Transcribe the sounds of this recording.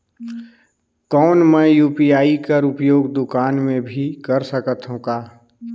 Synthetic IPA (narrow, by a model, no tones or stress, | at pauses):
kɔːnmɛ̃juːpiaːikɐɾʊpjoːɡd̪ʊkaːnmẽbʱikɐɾsəkət̪ɦũkaː